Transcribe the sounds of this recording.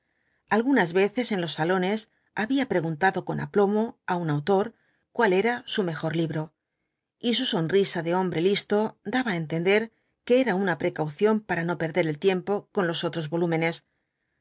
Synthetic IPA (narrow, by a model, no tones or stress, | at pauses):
alɣunazβe̞θe̞se̞nlo̞sːalo̞ne̞s | aβiapɾe̞ɣ̞unt̪aðo̞ko̞na̰plo̞mo̞aunawt̪o̞ɾ | kwale̞ɾasume̞xo̞ɾliβɾo̞ | isuso̞nrisaðe̞o̞mbɾe̞list̪o̞d̪aβae̞nt̪e̞nd̪e̞ɾ | keeɾaunapɾe̞kawθjo̞mpaɾano̞pe̞ɾðe̞ɾe̞lt̪je̞mpo̞ko̞nlo̞so̞t̪ɾo̞zβo̞lumẽ̞ne̞s